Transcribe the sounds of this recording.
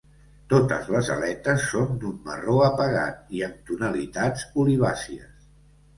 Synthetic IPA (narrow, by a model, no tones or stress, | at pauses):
t̪ot̪ə̰zləzə̰lɛt̪əsːond̪umːə̰roəpəɣa̰t̪̚iəmt̪unəlit̪ad͡zuliβ̞asiə̰s